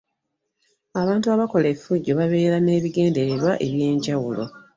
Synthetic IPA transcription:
aβaːntuaβako̞lefuɟːo̞βaβe̞ːɾane̞ːβiɡe̞ːnde̞ɾeɾwaʔe̞βje̞ːɲɟawulo̞

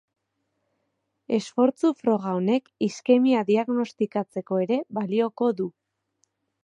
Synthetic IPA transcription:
e̞sfo̞ɾt͡sufɾo̞ɣ̞aone̞kiske̞miaðiaɣno̞st̪ikat͡se̞ko̞e̞ɾe̞βalio̞ko̞ðu

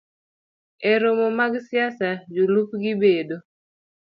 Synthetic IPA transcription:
eɾomomaɡsɪasad͡ʒulupɡɪbedo

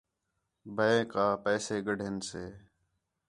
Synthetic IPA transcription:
bʱəẽːkaːpɛːseːɡəɖʱenseː

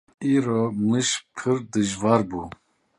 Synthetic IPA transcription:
iːɾomɨʃpʰɨɾd̪ɨʒvɑːɾbuː

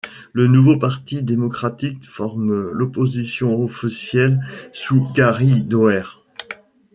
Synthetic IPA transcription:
lənuvopaʁt̪id̪emɔkχat̪ikfɔʁmlɔpozisjɔ̃ofisjɛlsuɡaʁid̪ɔɛʁ

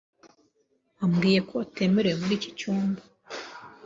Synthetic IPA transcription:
amɡiːje̞kʰo̞te̞ːmeɾewemuɾiːci̥cuːmbḁ

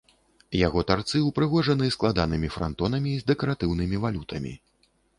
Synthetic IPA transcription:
jaɣɔt̪art̪sɨupɾɨɣɔʐɐnɨsklˠad̪anɨmʲifɾa̰nt̪ɔnɐmʲiːzd̪ɛkɐɾat̪ɨwnɨmʲivalʲut̪ʰɐmʲḭ

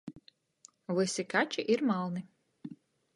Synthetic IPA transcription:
vɨsʲikat͡ʃiʔiɾmalˠnɨ

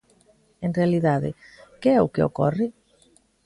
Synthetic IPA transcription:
enrealiðaðɪ̰kɪɛʊkɪo̰kɔrɪ

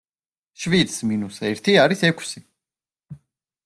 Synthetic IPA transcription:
ʃvit̪sminusɛɾt̪ʰiaɾisɛkʰsi

